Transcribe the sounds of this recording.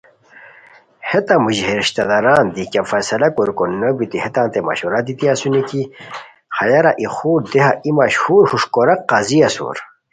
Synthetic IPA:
het̪amuʑɦeɾiɕt̪ɐd̪ɐɾaːnd̪ikafɐsɐlɐkoɾkonnɐbit̪ihet̪ãːnt̪emɐ̰ɕuɾad̪it̪iasuniki | χɐjɐɾaʔixuːɾd̪eɦaimɐɕhuːɾhuʂkoɾɐqːaːziɐso̰ɾ

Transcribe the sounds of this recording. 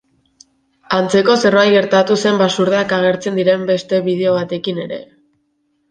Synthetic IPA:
ant͡se̞ko̞se̞roajɣe̞ɾt̪at̪use̞mbasuɾð̞eakaɣ̞e̞ɾt͡se̞nd̪iɾe̞mbe̞st̪e̞βið̞e̞o̞β̞at̪e̞kine̞ɾe̞̰

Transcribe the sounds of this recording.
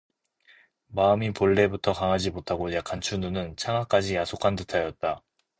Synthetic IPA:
maɯmipoɭːe̞butʰʌkaŋɦad͡ʑimotʰaɡojakʰant͡ɕʰununɯnt͡ɕʰaŋak͈ad͡ʑijasʰokʰandɯtʰajʌt̚t͈a

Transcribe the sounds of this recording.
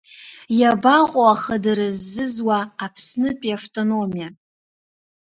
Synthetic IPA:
jabaqʼoaχədaɾɨzːɨzwaːpʰsnɨpʼiaftʼonomija

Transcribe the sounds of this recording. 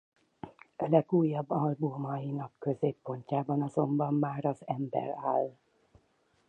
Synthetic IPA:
ɒlɛɡuːjːɒbːɒlbumɒjinɒkkø̞zeːpːo̞ɲcaːbɒnɒzo̞mbɒmːaːɾɒzɛmbɛ̰ɾaːl

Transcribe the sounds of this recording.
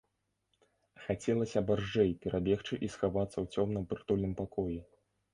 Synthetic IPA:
xat͡sʲɛlˠɐsʲɐbarʐɛjpʲɛɾʔabʲɛxt͡ʂɨʔisxavat̪sːɐwt͡sʲɔmnɨmpɨrt̪ulʲnɨmpakɔji

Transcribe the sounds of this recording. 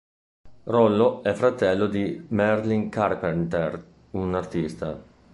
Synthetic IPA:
rɔlːoɛfɾat̪ɛlːod̪imɛrliŋkarpɛɾnt̪ɛr | unart̪ist̪a̰

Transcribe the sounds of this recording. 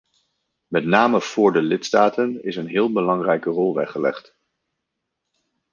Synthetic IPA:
mɛtnaːməv̥ʊːɹdəlɪtstaːtənɪsənɦɪːlˠbəlɑŋrɛjkərɔlˠʋɛχəlɛχt

